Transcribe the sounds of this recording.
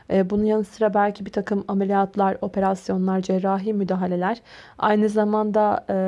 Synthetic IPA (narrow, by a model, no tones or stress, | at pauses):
ɛbunujanɯst̪ɯɾabælʲcʰibit̪ʰakɯmamelʲijat̪lˠaɾo̞pʰe̞ɾasjo̞nlˠaɾd͡ʒɛɾːaːɦiːmyd̪aːɦalʲe̞lʲæɾ̥a̰jnɯzamand̪a